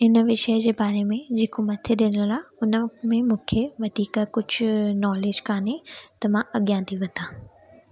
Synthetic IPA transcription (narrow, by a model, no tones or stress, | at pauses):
ɪnə̆ʋɪʃəəd͡ʑeːbaːɾemẽd͡ʑeːkomɐt̪ʰeɗɪɽ̃əlaːʊnə̆mẽmũːkʰeʋɐd̪ʱiːkkʊd͡ʑʱʊnɔːleːd͡ʑkaːnɦet̪ɐmãɐɠjãt̪ʰiʋɐt̪ãː